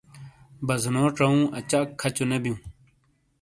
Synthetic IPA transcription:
bɐznoːʈ͡ʂɐũːɐt͡ɕaːkʰːɐt͡ɕonebjũː

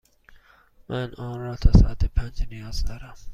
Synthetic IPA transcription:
mʔænɒːnɾɒːt̪ʰɒːsaʔat̪ʰepʰænd͡ʒnijɒːzd̪ɒːɾæm

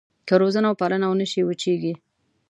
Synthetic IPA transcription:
kəɾozanawpalənawnəʃiwət͡ʃeɡi

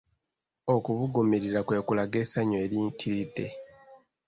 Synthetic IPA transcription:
okuβuɡomiɾiɾakwe̞ːkulaɡe̞ːsaɲoelitʰilite

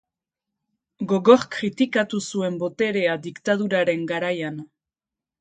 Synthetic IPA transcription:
ɡo̞ɣo̞ɾkɾit̪ikat̪usue̞mbo̞t̪e̞ɾe̞ad̪ikt̪að̞uɾaɾe̞ŋɡaɾajan

